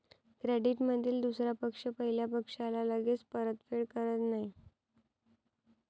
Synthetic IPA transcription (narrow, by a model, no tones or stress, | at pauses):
kɾeɖiʈməd̪ʱiːld̪usɾjapəkʂəpəɦiljapəkʂalalaɡet͡spəɾət̪feɭkəɾət̪naɦi